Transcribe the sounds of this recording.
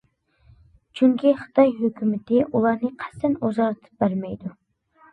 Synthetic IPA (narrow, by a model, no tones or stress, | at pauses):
t͡ʃʰyŋkʲiχə̥t̪ʰɑjɦøkʲʰymɪt̪ɪʔulˠɑɾnɨqʰæ̥st̪ʰɛnozɑlˠɨt̪ʰɨ̥p̚bæɾmɛjd̪u